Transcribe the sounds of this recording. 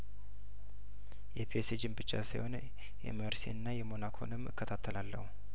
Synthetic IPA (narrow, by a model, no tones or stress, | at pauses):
jɛpʰiesed͡ʒɨmbɨt͡ʃːa̰siho̞n | jɛ̰məɾsḭɨnːajɛmo̞nakʰo̞̰nɨmːɨ̰kːət̪ʰat̪ʰːəlalːə̰hu